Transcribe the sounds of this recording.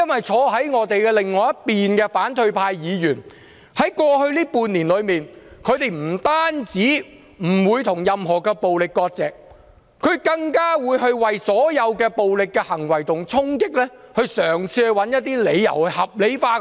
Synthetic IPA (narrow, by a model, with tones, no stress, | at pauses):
jɐ˥nwɐ˨jt͡sʰɔː˧ɦɐ˨˥jŋɔː˨˧t̪e˨jkɛ˧lɪ˨ŋːɔː˨˧jɐ˥t̚piː˨nkɛː˧faː˨˥nt̪ʰɵ˧ɥpʰaː˧jjiː˨˧jyː˨˩n | hɐ˨˥jkʷɔː˧hɵ˧ɥliː˥puː˨˧nniː˨˩nlɵ˨˧ɥmiː˨nkʰɵ˨˧ɥt̪e˨˧jm̩˨˩t̪aː˥nt͡siː˨˥ | m̩˨˩wuː˨˧jt̪ʰʊ˨˩ŋjɐ˨mɦɔː˨˩kɛː˧po˨wlɪ˨kːɔː˧k̚t͡sɛː˨k̚ | kʰɵ˨˧ɥkɐ˧ŋkaː˥wuː˨˧jhɵ˧ɥwɐ˨jsɔː˨˥jɐ˨˧wkɛː˧po˨wlɪ˨kːɛː˧hɐ˨˩ŋwɐ˨˩jt̪ʊ˨˩ŋt͡sʰʊ˥ŋkɪ˥k̚lɛː˥ | hɵ˧ɥsœː˨˩ŋsʰiː˧hɵ˧wɐ˨˥njɐ˥t̚t̪iː˥le˨˧jjɐ̰˨˩whɐ˨p̚le˨˥jfaː˧˥